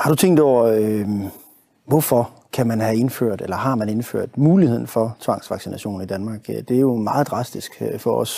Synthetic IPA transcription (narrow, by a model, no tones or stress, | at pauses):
hɑ̈ɾ̥ut͡sʰeŋ̰d̥ɒʊ̰ɐø | ʋɒfɒ̽ | kʰæmænhæe̝nfø̰ɐ̰d̥elɐɦɑ̈mæne̝nfø̰ɐ̰d̥muːlihe̝ð̞̰ˠn̩fɒ̽t͡sʰʋɑ̈ŋ̰sʋɑ̈ɡ̥sinæɕo̝̰ːn̩id̥ænmɑ̈ːɡ̥d̥e̝æjo̝mɑ̈ːð̩ˠd̥ʁɑ̈sd̥isɡ̥øfɒ̽ɒ̽s